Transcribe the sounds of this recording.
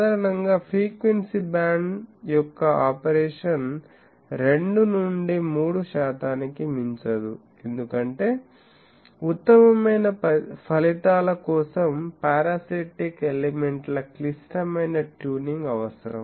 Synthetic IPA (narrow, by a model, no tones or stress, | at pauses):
d̪aːɾɐɳɐŋɡaːpʰɾiːkʋensibaːɳɖjɔkːɐaːpɐɾeːʂɐn | ɾe̞ɳɖunuɳɖimuːɽuʃaːt̪aːnikimiɲt͡ʃɐd̪u | end̪ukɐɳʈe̞ː | ut̪ːɐmɐmɐjnɐpɐpʰɐlit̪aːlɐkɔːsɐmpaːɾaːsiʈikeleme̞ɳʈlɐklisʈɐmɐjnɐʈjuːniŋɡɐʋɐsɐɾɐ̰m